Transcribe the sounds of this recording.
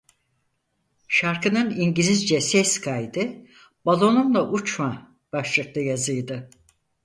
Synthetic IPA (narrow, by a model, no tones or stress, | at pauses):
ʃaɾkɯnɯniɲɟilʲizd͡ʒɛsɛskʰajd̪ɯ | balˠo̞nunlˠaʔut͡ʃma | b̥aʃlˠɯk̚lˠajazɯjd̪ɯ